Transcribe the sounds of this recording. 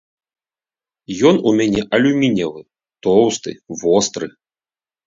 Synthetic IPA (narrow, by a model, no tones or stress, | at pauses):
jɔnumʲanʲɛʔɐlʲumʲinʲɐvɨ | t̪ɔwst̪ɨ̰vɔst̪ɾɨ